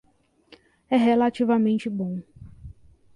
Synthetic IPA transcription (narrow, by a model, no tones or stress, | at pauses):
ɛɦelat͡ʃivɐmẽnt͡ʃɪbõ